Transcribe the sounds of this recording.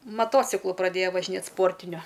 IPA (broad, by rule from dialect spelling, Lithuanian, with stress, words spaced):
mɐˈtoːt͡sʲɪklˠʊ prɐˈdʲeːjɛ ʋɐʒʲɪˈnʲeːt ˈspoːrʲtʲɪnʲʊ